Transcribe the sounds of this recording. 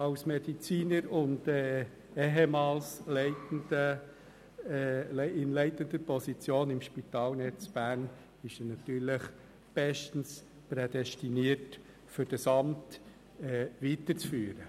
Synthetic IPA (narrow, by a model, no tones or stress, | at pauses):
ɑʊsmɛd̥it͡siːnəɾʊndɛː | ɛɦemɑːlslɛɪtndə | lɪnlɛɪtənd̪əpɔsit͡sjoːnɪmʃpit̪ɑːlnɛt͡sb̥æːɾn | ɪʃɛnɑt̪yːɾləχ | b̥ɛʃtən̩s | pɾed̥ɛstiniəɾt | fʏɾd̥ɑsɑmt | ɛːʋitət͡sfyːɾə